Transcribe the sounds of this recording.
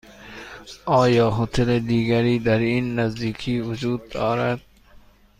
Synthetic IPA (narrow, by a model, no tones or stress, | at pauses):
ɒːjɒːɦot̪ʰeled̪iːɡaɾiːd̪aɾiːnːazd̪iːkʰiːvʊd͡ʒuːd̪̚ːɒːɾad̪̥̚